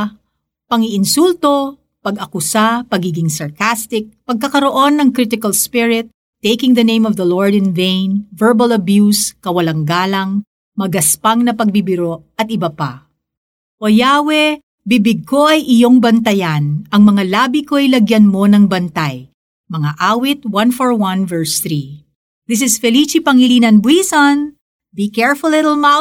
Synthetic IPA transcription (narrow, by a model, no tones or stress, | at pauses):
pɐŋɪʔɪnsult̪o̞ | pɐɡɐkʊsapɐɡiːɡɪŋsɐɹkast̪ɪk̚pɐɡ̚kɐkɐɾo̞ʔo̞nːɐŋkɾɪt̪ɪkɐlspɪɹɪt̪ː | ejkɪŋðɐnẽj̃mɔvðɐloɹd̪ɪ̃nvẽjnvɛɹbɐlɐbjuskɐwɐlɐŋɡaːlɐŋ | mɐɡɐspaŋnɐpɐɡ̚bibɪɾoʔɐt̪̚ʔɪbɐpa̰ | ʔojawɛ | bibɪɡ̚kʰo̞ʔɐjʔɪjo̞ŋbɐnt̪ɐjanɐŋmɐŋalaːbikoɐjlɐɡjɐnmo̞nɐŋbɐnt̪aj | mɐŋaʔaːwɪt̪̚wɐ̃nfoɹwɐ̃nvɛɹsθɾi | ðɪs̬ɪsfɛlit͡ʃipɐŋɪlinɐnbwisɐ̃n | bikɛɹfʊllːɪɾl̩ˠma